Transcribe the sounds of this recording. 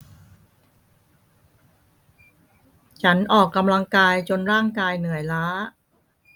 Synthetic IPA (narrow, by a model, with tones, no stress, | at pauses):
t͡ɕʰa˦˥nʔɔː˨˩kːa˧mla˧ŋkaː˧jt͡ɕo˧nɾaː˥˩ŋkaː˧jnɯ˨˩˦əjlaː˦˥